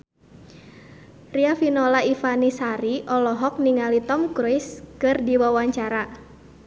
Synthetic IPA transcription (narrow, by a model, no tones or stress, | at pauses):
riafinɔlaifanisaɾiʔɔlɔɦɔk̚niŋalit̪ɔmkɾoiskɨrdiwawaɲt͡ʃaɾa